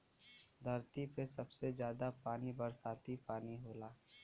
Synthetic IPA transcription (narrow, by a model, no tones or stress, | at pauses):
d̪ʱɐɾt̪ipesɐbsezjaːd̪apaːnibɐɾsaːt̪ipaːniɦoːlaː